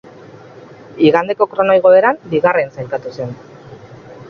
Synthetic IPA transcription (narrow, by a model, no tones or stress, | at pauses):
iɣand̪e̞ko̞kɾo̞nojɣ̞o̞eɾambiɣ̞arensajlkat̪use̞n